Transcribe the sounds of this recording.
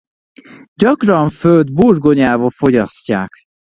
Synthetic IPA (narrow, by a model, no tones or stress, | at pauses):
ɟɒkrɒɱføld̪burɡoɲaːvolfo̞ɟɒscːaːk